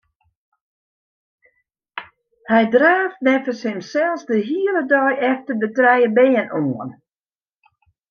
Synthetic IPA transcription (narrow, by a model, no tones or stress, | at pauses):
hɛjdraːfmɛfəsɪmsɛlˠsdəɦiələdɔjʔɛftəbətrɛjəbɛːənoən